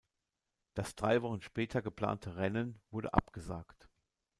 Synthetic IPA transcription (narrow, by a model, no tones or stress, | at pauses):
d̥asd̥ʁaɪvɔχn̩ʃpɛːtʰɐɡəpl̥a̰ːntʰəʁɛnənvʊɐdə̰ʔa̰pɡ̥əza̰ːkt